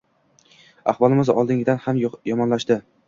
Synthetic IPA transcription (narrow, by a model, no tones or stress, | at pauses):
a̰hvɒlˠɪmɪzɒ̰lˠd̪ɪŋʲɪd̪anhamjɒmɒnlaʃt̪ɪ